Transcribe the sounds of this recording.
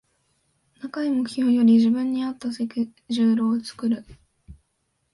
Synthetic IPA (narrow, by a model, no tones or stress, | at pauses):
nakaimoçʲoːjo̞ɾʲiʑibɯ̟̃ɲ̟ːiat̪ːasekʲiʑɨːɾo̞ːt͡sɨ̥kɯ̟ɾɯ̟